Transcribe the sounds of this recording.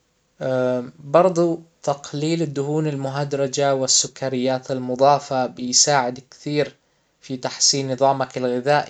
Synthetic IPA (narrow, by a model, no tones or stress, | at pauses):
bɑɾˤd̪ˤut̪ɑqliːlɪd̪ːʊhuːnalmʊɦad̪ɾˤɑd͡ʒawɪsːʊkːaɾɪjːaːt̪almʊd̪ˤɑːfabɪjsaːʕɪd̪kθiːɾ | fit̪aħsiːnːɨðˤɑːmakalɣɪðaːʔ